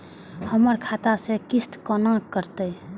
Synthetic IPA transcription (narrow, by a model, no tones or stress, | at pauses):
həməɾkʰat̪asekɪst̪kɔnãkːəɾt̪əj